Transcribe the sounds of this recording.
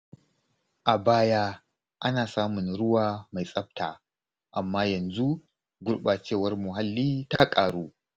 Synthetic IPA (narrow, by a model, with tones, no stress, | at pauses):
ʔa˨baː˦ja˦ | ʔa˦naː˨saː˦mʊ˨nɽʊ˦waː˨ma˨jsʼɐ˦b̚taː˨ | ʔa˨mːaː˦jɐ˨nzu˦ | ɡʷʊ˦ɽɓaː˨t͡ʃeː˦˨wɐ˦rmʊ˨ɦa˦lːiː˦ta˦kʼaː˨ɽuː˦